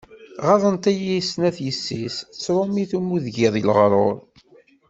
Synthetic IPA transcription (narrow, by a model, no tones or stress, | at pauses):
ʁɑðˤənt̪æjisnæθjəsːist͡sːɾˤomiθumuðʝiðˤilʁɾˤoɾˤ